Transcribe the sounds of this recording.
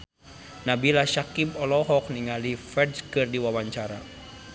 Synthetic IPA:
nabilaʃakibɔlɔɦɔk̚niŋalifɛdskɨrdiwawaɲt͡ʃaɾa̰

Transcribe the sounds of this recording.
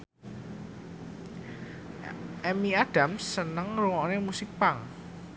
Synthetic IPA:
ʔɛmiaɖ̥a̤msːənəŋruŋɔnemusɪk̚paŋ

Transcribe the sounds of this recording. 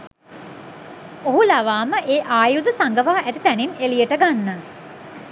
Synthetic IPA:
oɦulaʋaːməʔeːʔaːjud̪əsaŋɡəʋaːʔæt̪it̪æninelijəʈəɡanːə

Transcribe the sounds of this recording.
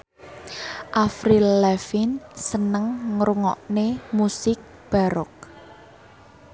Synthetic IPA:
ʔafɾilɛfinsənəŋːɾuŋɔ̰ʔnemusɪk̚ | b̥a̤ɾɔk̚

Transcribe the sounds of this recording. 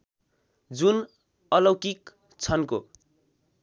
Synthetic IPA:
d͡zun | ʌlʌwkik | t͡sʰʌnko̰

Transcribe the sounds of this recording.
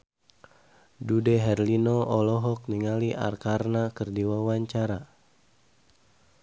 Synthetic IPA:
dudɛɦɛrlinɔʔɔlɔɦɔk̚niŋaliʔa̰rkarnakərdiwawaɲt͡ʃaɾa

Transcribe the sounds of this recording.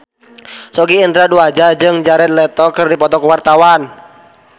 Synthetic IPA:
sɔɡiːndɾaduad͡ʒad͡ʒɨŋd͡ʒaɾɛnlɛt̪ɔkɨrdipɔt̪ɔkəwart̪awan

